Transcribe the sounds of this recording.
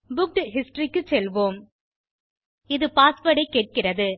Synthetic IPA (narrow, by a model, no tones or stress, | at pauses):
bʊk̚ʈɦɪsʈrikːɯt͡ʃːɛlʋoːm | ɪðɯpaːsʋɐɽɐɪkːeːʈ̚kɪrɐðɯ